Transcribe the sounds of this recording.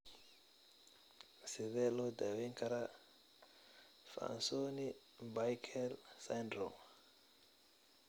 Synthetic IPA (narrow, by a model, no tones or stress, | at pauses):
sɪðɛːlɔːd̪awɛŋkʰɐɾa | fa̰a̰nsɔːni | bajkʰɛlsandɾɔm